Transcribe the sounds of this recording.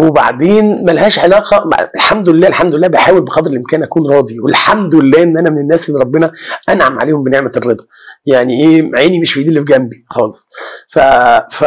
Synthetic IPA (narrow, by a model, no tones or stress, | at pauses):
weba̰ʕd̪eːnmælæhæːʃʕelæːqɑm̰elħamd̪olelːæːʔelħamd̪olelːæːbejħaːwelbeqɑd̪ɾelʔemkæːnʔækuːnɾˤɑːd̪iwelħamd̪elːæːʔenːʔænæmenenːæːsʔelːiɾˤɑbːenɑʔænʕamʕaleːhombeneʕmærːed̪ˤɑ | jaʕniʔeːmʕeːnimeʃbejd̪iːlːifɡæmbixɑːlesˤfæfæ